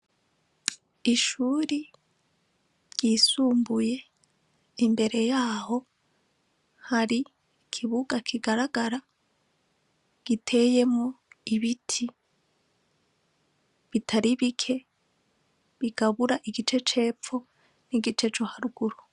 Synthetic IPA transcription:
iʃuːɾi | ɾɟ̥iːsuːmbuje̞ | imbe̞ɾe̞jaːho̞ | haɾi | kʰiβuɡakʰiɡaɾaɡaɾa | ɡ̥itʰe̞je̞mŋoiβitʰi | βitʰaɾiβikʰe̞ | βiɡ̥aβuɾaʔiɡit͡ʃe̞t͡ʃe̞ːpfo̞ | niɡit͡ʃe̞t͡ʃohaɾuɡ̥uɾu

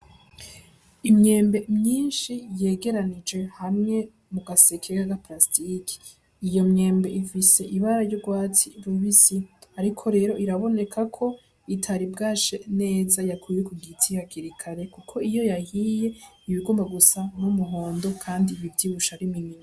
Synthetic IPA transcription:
imɲe̞ːmbe̞mɲiːnʃije̞ːɡe̞ɾanid͡ʒe̞hamŋe̞ | muɡase̞kʰekaɡaplastikʰi̥ | ijo̞mɲe̞ːmbe̞ʔifise̞ʔiβaɾajoɡwaːtiɾuβisiaɾikʰo̞ɾe̞ːɾo̞ʔiɾaβo̞ne̞kʰakʰo̞ | itʰaɾibɡaːt͡ʃene̞ːzajakujekuɡitʰijakiɾikʰaɾe̞kukʰo̞ijo̞jahije̞ | iβiɡoːmbaɡusanumuɦo̞ːndo̞kʰaːndiβivɟiːβuʃaɾiminina

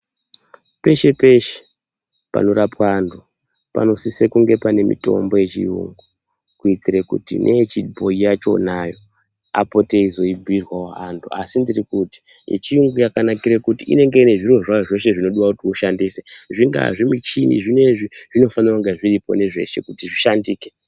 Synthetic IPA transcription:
pe̞ʃe̞pe̞ʃe̥ | pa̰no̞ɾapwaːndʰu | pa̰no̞sisekuŋɡe̞pane̞mḭto̞̰mbo̞je̞t͡ʃḭṵŋɡu | kuitirekṵtḭnʔe̞t͡ʃid̚bʱoijat͡ʃo̞̰najo̞ | a̰po̞te̞izo̞ibʱirwawoantʰua̰sindirikuti̥jḛt͡ʃiuŋɡujakanakiɾekutiʔḭne̞ŋɡe̞ine̞ʐiro̞ʐaoʐo̞ʃe̞ʐino̞ɗiwakutiuʃandiseʐiŋɡa̰ʐimit͡ʃinḭʐine̞ʐiʐ̥ino̞fanirakuŋɡeʐiripo̞̰ne̞ʐe̞̰ʃe̞̰kutiʐiʃandiːke

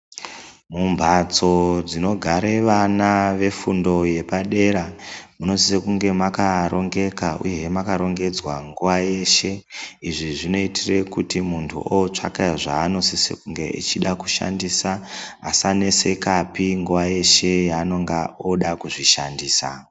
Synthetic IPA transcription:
mumbʱat͡so̞d͡zino̞ɡʱaɾe̞ʋanaʋe̞fundo̞je̞paɗe̞ɾamuno̞sisekuŋɡe̞makaɾo̞ŋɡe̞kaṵje̞makaɾo̞ŋɡe̞d͡zwaŋɡuʋaje̞ʃe̞iʐiʐino̞itire̞kutimuntʰṵʔot͡ʂa̰kejaʐaːno̞sisḛkuŋɡe̞̰ʔḭt͡ʃiɗaku̥ʃa̰ndisaːsane̞se̞kapiŋɡuʋaje̞ʃe̞jaːno̞ŋɡaoɗakuʐiʃandiːsa̰

